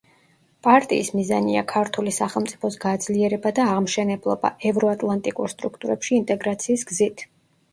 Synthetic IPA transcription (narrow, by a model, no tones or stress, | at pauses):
pʼaɾt̪ʼḭːsmizania̰kʰaɾt̪ʰulisaχɛlˠmt̪sʼi̥pʰɔsɡad̪zliɛɾɛbad̪aːʁmʃɛnɛblˠɔba̰ɛvɾɔat̪ʼlˠant̪ʼikʼuɾst̪ʼɾukʰt̪ʼuɾɛpʃiːnt̪ʼɛɡɾat̪sʰiːsɡzit̪ʰ